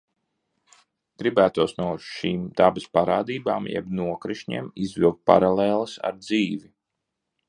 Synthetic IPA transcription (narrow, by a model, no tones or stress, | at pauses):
ɡ̥ɾibæːt̪uɔsnuɔʃiːmd̪abɐspaɾaːd̪iːbaːmjɛ̰bnuɔkɾiʃɲḛmizvilˠkt̪̚pa̰ɾaleːlˠɐsa̰ɾd̪ziːvi